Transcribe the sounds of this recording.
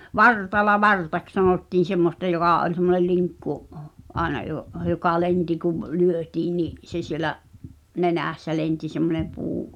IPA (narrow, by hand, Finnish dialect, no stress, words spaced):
ʋɑrtɑlɑ ʋɑrtɑks sɑnoˑtːiːn̞ semːostɑ joɡ̊ɑˑ olʲ semːonel liŋkːuʔ ʔɑenɑ joʔ jokɑ ienti kuʋ lyøtiːn niʔ se sielæʔ nenæˑsːæ lenti semːone puː